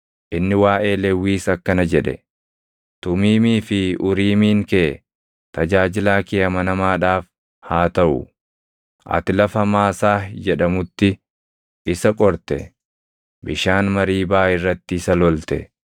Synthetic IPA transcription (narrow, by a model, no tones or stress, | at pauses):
ʔɪnːɪwaːʔe̞ːlɛwːiːsɐkːɐnɐd͡ʒɛᶑɛ̰ | t̪ʊmiːmiːfɪʔʊɾiːmiːŋkeː | t̪ɐd͡ʒaːd͡ʒɪlaːkɪjɐmɐnɐmaːᶑaːf | haːt̪ɐʔʊ̰ | ʔɐ̰t̪ɪlɐfɐmaːsaːd͡ʒɛᶑɐmʊt̪ːɪ | ʔɪsɐkʼɔɾt̪ɛ | bɪʃaːnmɐɾiːbaːʔɪrːɐt̪ːɪɪsɐlɔlt̪ɛ̰